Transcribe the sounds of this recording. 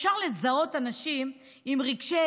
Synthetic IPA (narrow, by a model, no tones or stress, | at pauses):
ʃaʁlezao̞t̪anaʃim | imʁiɡʃe